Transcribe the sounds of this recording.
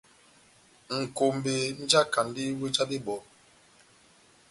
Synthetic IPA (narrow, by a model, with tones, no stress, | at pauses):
ŋ̩˨ko˨m˨be˨n̩˦d͡ʒa˦ka˨n˦di˦we˦t͡ʃa˦di˦ɓɔ˨˦